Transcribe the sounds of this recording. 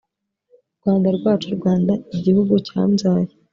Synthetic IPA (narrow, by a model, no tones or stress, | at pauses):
ɾɡ̥waːndaɾɡwaːt͡ʃuɾɡwaːndaiɟihuɡuca̰ːmzaːje